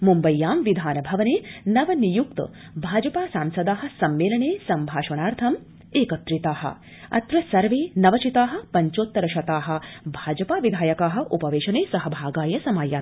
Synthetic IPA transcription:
mumbɐjːaːmʋid̪ʱaːnɐbʱɐʋɐneːnɐʋɐnijukt̪ | bʱaːd͡ʒɐpaːsaːmsɐd̪aːɦɐ̆sɐmːeːlɐɳeːsɐmbʱaːʃɐnaːɾt̪ʰɐm | eːkɐt̪ɾit̪aːɦɐ̰ | ɐ̰t̪ɾɐsɐɾʋeːnɐʋɐt͡ʃit̪aːɦɐ̆pɐɲt͡ʃoːt̪ːɐɾɐʃɐt̪aːɦɐ̆bʱaːd͡ʒɐpaːʋid̪ʱaːjɐkaːɦɐ̆ʔupɐʋeːʃɐneːsɐɦɐbʱaːɡaːjɐsɐmaːjaː

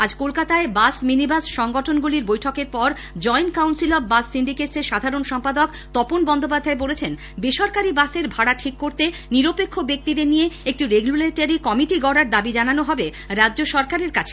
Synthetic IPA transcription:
ad͡ʑkolkat̪aebasminibasʃɔŋɡɔʈʰonɡuliɾbojʈʰɔkeɾpɔɾ | d͡ʑɔjnkawnsilɔbbasːiɳɖikeʈseɾʃad̪ʱaɾonʃɔmpad̪ok | t̪ɔponbɔnd̪ʱopad̪ʱːaebolet͡ɕʰen | beʃɔɾkaɾibaseɾbʱaɽaʈʰikːoɾt̪eniɾopekʰːobek̚t̪id̪eɾnijeek̚ʈiɾeɡuleʈaɾikɔmiʈiɡɔɽaɾd̪abid͡ʑananoɦɔbe | ɾadːd͡ʑoʃɔɾkaɾeɾkat͡ɕʰe̥

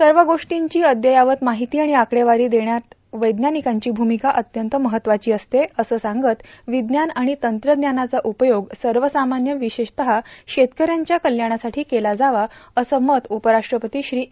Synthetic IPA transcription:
səɾʋəɡoʂʈiɲt͡ɕiːəd̪jəjaʋət̪maɦit̪iːaɽ̃iakɽeʋaɾiːd̪eɳjat̪ | ʋəjd̪njanikaɲt͡ɕiːbʱumikaʔət̪jənt̪əməɦət̪ːʋat͡ɕiːəst̪eəsəːsãŋɡət̪ʋid̪njanaɽ̃it̪ənt̪ɾəd̪njanat͡saʔupəjoɡsəɾʋəsamanjəʋiɕeɕt̪əɦaɕet̪kəɾjaɲt͡ɕjakəljaɽ̃asaʈʰiːkelad͡zaʋaəsəmət̪upəɾaʂʈɾəpət̪iːɕɾiː

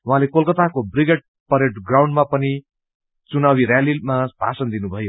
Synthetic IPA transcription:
wɦãlekolkʌt̪akobriɡeʈ̚ | pʌɾeʈɡraw̃ɳɖmapʌni | t͡sunawiɾjalimapa̰sʌnd̪inubʱʌjo

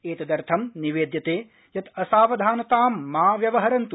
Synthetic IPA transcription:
eːt̪ɐd̪ɐɾt̪ʰɐmniʋeːd̪jɐt̪eː | jɐt̪ɐsaːʋɐd̪ʱaːnɐt̪aːmːaːʋjɐʋɐɦɐɾɐnt̪u

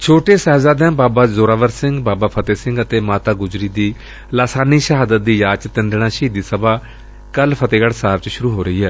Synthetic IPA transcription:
t͡ʃʰoːʈeːsɛːzaːd̪ɛ̃ːbaːbaːzoːɾaːʋəɾsɪ̃ŋɡbaːbaːpʰət̪eːsɪ̃ŋɡət̪eːmaːt̪aːɡʊzɾiːd̪iː | laːsaːniːʃəɦaːd̪ət̪̚d̪iːjaːt͡ʃt̪ənɖ̪nãːʃiːd̪iːsəbaː | kəlpʰət̪eːɡəɽsaːbt͡ʃʃʊɾuːɦoːɾəɦiːɦɛː

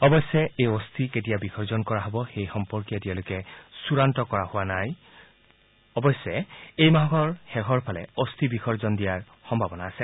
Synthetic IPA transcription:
ɔbɔsɛejɔstʰiket̬ijabixʰɔɹzɔnkɔɹaɦɔbɔxejxɔmpɔɹkijatialʊkɛsuɹantɔkɔɹahʊwanaj | ɔbɔsɛejmaɦɡɔɹxɛɦɔɹpʰalɛost̪ʰibixʰɔɹzɔndijaɹ | xɔmbʱabɔnaːsɛ

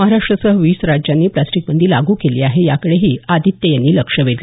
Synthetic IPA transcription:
məɦaɾaʂʈɾəsəɦʋiːsɾad͡ʑjanːiːplasʈik̚bənd̪ʱiːlaɡuːkeliːaɦejakəɽeɦiːad̪ʱit̪jəjanːiːləkʂəʋeɾli

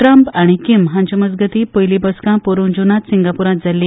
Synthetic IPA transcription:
ʈɾəmpaɽ̃ikimɦãnt͡ɕəməd͡zɡət̪iːpəjlibɔskãpoɾuːnd͡ʑunat̪siŋɡapuɾãt̪̚d͡zali

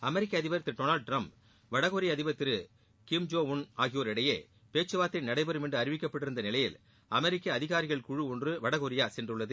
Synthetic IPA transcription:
ɐmɛɾɪkːɐːðɪbɐɾɐt̪ːɪɾʈoːnaːlɖ̚ʈɾɐmp | ʋɐɽɐɣɔɾɪjɐðɪbɐt̪ːɪɾɯ | kɪmd͡ʒoːʊnaːɣɪjoːɾɪɽɐjḛː | peːt͡ʃːɯʋaːt̪ːɪnnɐɽɐɪbɐɾɯmɛndrɯɐɾɪʋɪkːɐpːɐɽɪɾɯnd̪ɐnɪlɐjɪl | ɐmɛɾɪkːɐːðɪɣaːɾɪɣɐɭkʊɻɯɔndrɯʋɐɽɐɣɔɾɪjaːsɛndrɯɭːɐðɯ

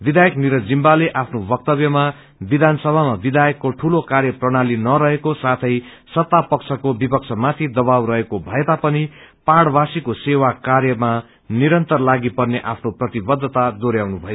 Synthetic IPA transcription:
bid̪ʱajʌkniɾʌd͡zimbaleʔapʰnobʌk̚t̪ʌbjʌma | bid̪ʱansʌbʱamabid̪ʱajʌkːoʈʰulokarjʌprʌɽ̃alinʌɾʌɦekosat̪ʰʌj | sʌt̪ːapʌkt͡sʰʌkobipʌk̚t͡sʰʌmat̪ʰid̪ʌbawrʌɦekobʱʌet̪apʌnipaɽbasikosewakarjʌma | niɾʌnt̪ʌrlaɡipʌrneʔapʰnoprʌt̪ibʌd̪ʱːʌt̪ad̪oɾjawnubʱʌjo

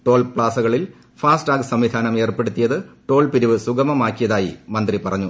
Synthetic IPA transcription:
ʈo̞ːlpɭaːsɐɣɐɭil | faːsʈaːɡsɐmʋid̪ʱaːnɐme̞ːrpe̞ɽut̪ːijɐðɨʈo̞ːlpiɾuʋɨsuɡɐmɐmaːkːijɐðaːjḭmɐnd̪ripɐrɐɲːu

